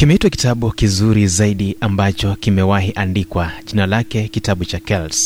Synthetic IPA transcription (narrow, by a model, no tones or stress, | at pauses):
kimɛitwaki̥taɓukizuɾizaiɗiambat͡ʃɔkimɛwahiʔandikwaʄinalakɛkitaɓut͡ʃakɛls